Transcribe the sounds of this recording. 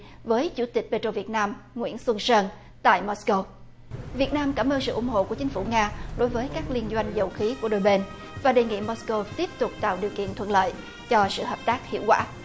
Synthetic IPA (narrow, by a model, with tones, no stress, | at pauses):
vəː˨˦jt͡ɕu˧˩t̪ï˨˩k̟̚ɓe˧t͡ɕo˧˩vi˨˩ət̚naː˧mŋwḭ˧˥ənswə˧nsəː˧n | t̪a̰ː˧˨jmo˦˥sko˧w | vi˨˩ət̚naː˧mkaː˧˩mʔəː˧nsɨ̰˧˨ʔʊ˧˩ŋ͡mho̰˧˨ku˧˩ət͡ɕŋ̟fu˧˩ŋaː˧ɗo˨˦jvəː˨˦jkaː˦˥k̚li˧ənzwa˧jŋ̟zə˨˩wxi˨˦ku˧˩əɗo˧jɓe˧n | vaː˨˩ɗe˨˩ŋḭ˧˨mɔ˦˥sko˧wt̪i˦˥əp̚t̪ʊ˨˩k͡p̚t̪a̰ː˧˨wɗi˨˩əwkḭ˧˨ənt̪ʰwə̰˧˨nlə̰ː˧˨j | t͡ɕɔ˧sɨ̰˧˨ɦəː˨˩p̚t̪aː˦˥k̚hḭ˧˩əwkwa̰ː˧˩